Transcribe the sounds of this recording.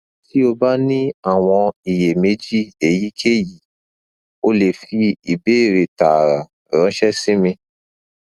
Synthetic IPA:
ti˦o˧ba˦nĩ˦a˦˨w̃ɔ̃˧i˨je˨me˨˦d͡ʒi˦˨e˨ji˨˦kʰe˦˨ji˨ | o˦le˨fi˧i˨be˦˨ɾe˨ta˨ɾa˨ | ɾɔ̃˨˦ʃɛ˦sĩ˦mĩ˧

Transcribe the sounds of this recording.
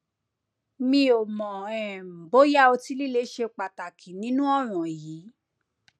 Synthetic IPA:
mĩ˧o˨mɔ̃˨ɛ̃˨bo˨˦ja˦o˧ti˦li˦le˨˦ʃe˧k͡pa˨ta˨kʰĩ˨nĩ˨˦nũ˦ɔ˦˨ɾ̃ũ˨ji˨˦

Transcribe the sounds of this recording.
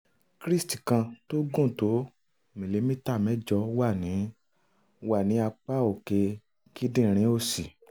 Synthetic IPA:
kɾi˦sti˨kã˧to˦ɡũ˦˨to˨˦ | mĩ˨le˨˦mĩ˦ta˦˨mɛ̃˦d͡ʒɔ˧wa˦˨nĩ˨˦ | wa˦˨nĩ˨˦a˧k͡pa˦o˦˨ke˧ | ki˦dĩ˦˨˧ɾ̃ĩ˨˦o˦˨si˨

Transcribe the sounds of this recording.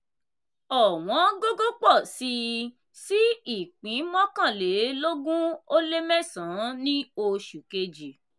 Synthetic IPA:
ɔ˨w̃ɔ̃˨˦ɡo˦ɡo˦k͡pɔ˦˨si˧ | si˦i˦˨k͡pĩ˨˦mɔ̃˦kã˦˨le˨˦lo˦ɡũ˦o˦le˦mɛ̃˦˨sã˨˦nĩ˦o˧ʃu˨ke˧d͡ʒi˨

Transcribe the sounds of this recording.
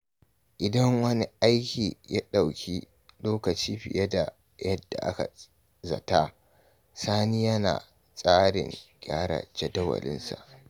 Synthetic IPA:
ʔɪ˨dɐ˦ŋwɐ˦ni˦ʔa˦jkʲiː˨ja˦ɗa˨wkʲʰiː˦ | loː˦kɐ˨t͡ʃiː˦ɸɪ˨jʔɐ˦da˨ | jɐ˦dːa˨ʔa̰˦ka˨ | zɐ˨taː˦ | saː˦ni˦jɐ˦na̰ː˨ | sʼaː˦ɽɪ̰˨ŋkʲʼaː˦ɽa̰˨d͡ʒɐ˨dɐ˦wɐ̰˨lɪ̰˦nsa̰˨ʔ

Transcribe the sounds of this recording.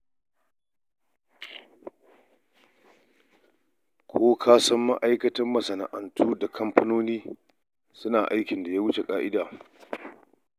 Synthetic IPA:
kʷʰoː˦kʰaː˦sɐ˦mːɐ˦ʔa˦jkɐ˦tɐ˦mːɐ˨sɐ˨na̰˨ʔɐ˨ntʰuː˦da˨kʰɐ˦mpɐ˦noː˦niː˦ | sʊ˦naː˨ʔa˦jkʲɪ˨nda˨jaː˦wʊ˦t͡ʃe˨kʼaː˦ʔɪ˦daː˨

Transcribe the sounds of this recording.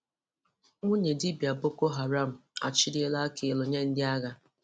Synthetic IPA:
ŋu˦ɲe˨dɪ˦bja˨bʊ˦ko˦ɦa˨ɾa˦˨m̩˨a̰˨t͡ʃɪ˦dje˦la˦ke˨lʊ˨ɲe˦n̩˦dɪ˦a˦ɣa˦

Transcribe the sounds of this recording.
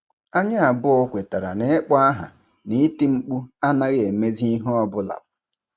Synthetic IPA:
a˦ɲɪ˦a˨bʊ˦o˦kʷe˨ta˨ɾa˨ne˦k͡pɔ˦a˦ɦa̰˨ | ni˦ti˦ŋ͡m̩˦k͡pu˦a˦na˦ɣɪ˦e˨me˦zi˦i˦ɦɔ˦ɔ˦bʊ˦la̰˨p̚ʊ˨

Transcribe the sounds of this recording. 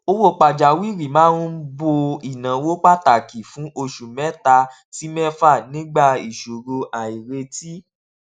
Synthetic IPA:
o˧wo˦˨k͡pa˨d͡ʒa˨wi˦˨ɾi˨mãː˨˦n̩˦bo˧i˨nã˨˦wo˦k͡pa˦ta˨ki˨fũ˨˦ʔo˧ʃu˨mɛ̃˨˦ta˧ | ti˨˦mɛ̃˦fa˦˨nĩ˦ɡ͡ba˦˨i˨ʃo˨ɾo˧a˨i˨ɾe˧ti˦

